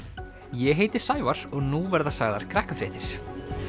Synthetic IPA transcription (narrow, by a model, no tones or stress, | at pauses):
jɛɦeːjt̪ɪ̥saːjvaɾ̥ɔɣnuvɛɾðasaːɣðaɾ̥kʰɾɛhkʏfɾɛːht̪ɪɾ̥